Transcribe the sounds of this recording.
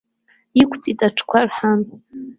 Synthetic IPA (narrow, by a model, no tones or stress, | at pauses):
ikʷʰt͡sʼitʼaʈ͡ʂʰkʷʰarħan